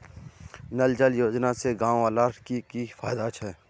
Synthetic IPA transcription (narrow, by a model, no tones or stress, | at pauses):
nəld͡ʒəljoːd͡ʒnaseɡãːwaːlaːʈkikifaːjd̪at͡ʃʰɛː